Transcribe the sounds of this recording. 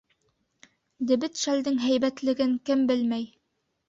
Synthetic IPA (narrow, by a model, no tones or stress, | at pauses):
d̪ɘ̆bɘt̪ʃæld̪ɘŋɦæjbæt̪lɘ̆ɡɘŋkɘmbɘlmæj